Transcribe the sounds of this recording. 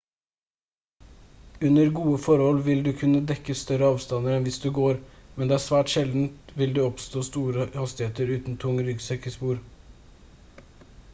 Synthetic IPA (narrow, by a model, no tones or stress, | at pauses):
ʉnəɾɡuːəfɔɾhɔlʋɪld̪ʉːkʰʉnəd̪ɛkəst̪œɾəɑːʋst̪ɑnəɾɛnʋɪsd̪ʉːɡoːɾmɛnd̪ɛːæːsʋæːʈʃɛld̪n̩t̪ʋɪld̪ʉːɔpst̪oːst̪uːɾəhɑst̪ɪheːt̪əɾʉːt̪n̩t̪ʰʊŋəɾʏɡsɛkəspuːɾ